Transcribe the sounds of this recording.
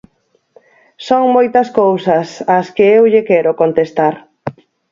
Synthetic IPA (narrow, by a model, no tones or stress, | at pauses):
soŋmojt̪ɐskowsɐsɐskɪewʎekɛɾʊkont̪est̪aɾ